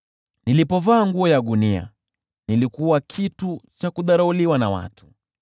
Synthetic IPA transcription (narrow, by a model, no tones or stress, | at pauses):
nilipɔvaːŋɡuɔjaɗunia̰ | nilikuwakʰitut͡ʃakuðaɾauliwanawa̰tʰu̥